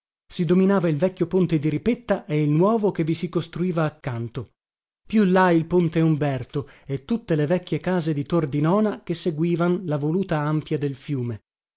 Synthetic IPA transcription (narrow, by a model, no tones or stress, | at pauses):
sid̪ominaːvailvɛkʲːjopont̪ed̪iɾipet̪ːaʔeilnwɔːvokevːisikost̪ɾuiːvaːkːant̪o | pjulːailpont̪eumbɛrt̪oet̪ːut̪ːelevɛkʲːjekaːzed̪it̪ord̪inɔːnak̟esːeɡwiːvanlavoluːt̪aampjad̪elfjuːme